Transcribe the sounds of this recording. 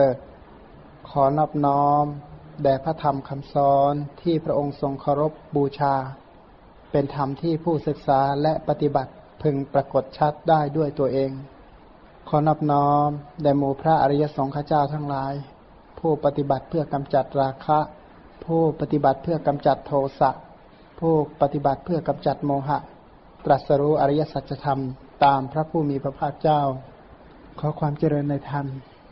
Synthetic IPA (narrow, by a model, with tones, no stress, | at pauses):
ɤː˧˩k | kʰɔː˩˦nɔː˧˥˩p̚nɔː˦˥mdɛː˧˩pʰɾa˦˥t̪ʰa˧mkʰa˧˩msɔː˨˦nt̪ʰiː˥˩pʰɾa˦˥ʔo˧ŋso˧ŋkʰa˧wɾo˦˥p̚buː˧t͡ɕʰaː˧ | pe˧nt̪ʰa˧mt̪ʰiː˥˩pʰuː˥˩sɯ˨˩k̚saː˩˦lɛ˦˥ʔpa˧t̪i˧˩ba˨˩t̪̚ | pʰɯ˧ŋpɾa˧ko˨˩t̪̚t͡ɕʰa˦˥t̪̚daː˥˩jdu˥˩əjt̪u˧ɐʔeː˧ŋ | kʰɔː˩˦nɔː˥˩p̚nɔː˦˥mdaː˧˩jmuː˧˩pʰɾa˦˥ʔa̰˧ɾa˧ja˧˥sɔː˩˦ŋkʰa˧˩t͡ɕaː˥˩wt̪ʰaː˧˥ŋlaː˨˦j | pʰuː˧˩pa˧t̪i˧˩ba˨˩t̪̚pʰɯ˥˩ɐka˧mt͡ɕa˨˩t̪̚ɾaː˧kʰa˦˥ʔ | pʰuː˧˥˩pa˧t̪i˧˩ba˨˩t̪̚pʰɯ˥˩ɐka˧mt͡ɕa˨˩t̪ʰːoː˧sa˧˩ʔ | pʰuː˧˥˩pa˧t̪i˧ba˨˩t̪̚pʰɯ˥˩ɐka˧mt͡ɕa˨˩t̪̚moː˧ɦa˧ʔ | t̪ɾa˨˩t̪̚sa˧ɾuː˦˥ʔa˧ɾa˧˥ja˧˥sa˨˩t̪̚t͡ɕʰa˧t̪ʰa˧m | t̪aː˧mpʰɾa˦˥pʰuː˧˩miː˧pʰɾa˧pʰaː˥˩k̚t͡ɕaː˥˩˨w | kʰɔː˩˦kʰwaː˧mt͡ɕa˧ɾɤː˧nːa˧˩jt̪ʰa˧˩n